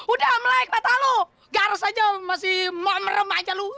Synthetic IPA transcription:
udahməlaɪk̚mat̪alo | ɡaɾasad͡ʒamasɪhmaməɾəmad͡ʒalu

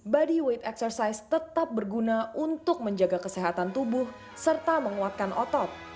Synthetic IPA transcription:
badiwet̪ɛksərsajst̪ət̪ap̚bərɡunaunt̪ʊk̚məɲd͡ʒaɡakəseɦat̪ant̪ubʊh | sərt̪aməŋuat̪̚kanʔɔt̪ɔt̪̚

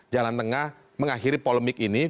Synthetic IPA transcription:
d͡ʒalant̪əŋah | məŋaxiɾipoləmɪkini

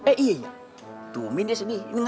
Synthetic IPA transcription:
ɛʔieɲa | t̪umindisaniiŋ

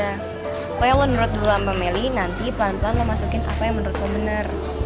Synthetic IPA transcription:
a | kajamənuɾʊt̪̚dulampamelinant̪ipəlanmplanməmasukɪnʔa̰pajaŋmənuɾʊt̪̚ɡɔbənər

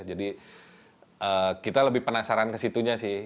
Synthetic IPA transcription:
d͡ʒadi | əːkit̪aləbɪhpənasaɾankəsit̪uɲasɪ

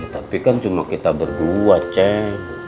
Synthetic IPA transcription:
t̪apikant͡ʃumakit̪abərduat͡ʃɛ

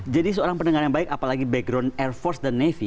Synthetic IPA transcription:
d͡ʒadis̬əoɾaŋpəndəŋaɾjaŋbaɪkapalaɡibɛɡɾɔnɛrfɔrsdanːɛfi

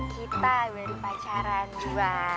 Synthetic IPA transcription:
kit̪awərpat͡ʃaɾand͡ʒua

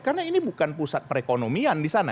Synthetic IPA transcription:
karnainibukanpusat̪̚pəɾekonomiandisana̰

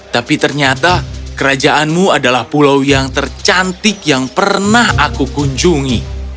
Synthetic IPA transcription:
t̪apit̪ərɲat̪akəɾad͡ʒaʔanmuadalahpulawjaŋt̪ərt͡ʃant̪ɪkjaŋpərnahakukuɲd͡ʒuŋi

